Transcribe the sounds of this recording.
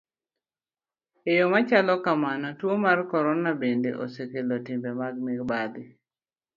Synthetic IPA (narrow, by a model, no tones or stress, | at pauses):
ejɔmat͡ʃalɔkamanɔtwomarkɔɾɔnabendḛʔo̰sekelɔtɪmbemaɡ̚mɪɡbad̪ɪ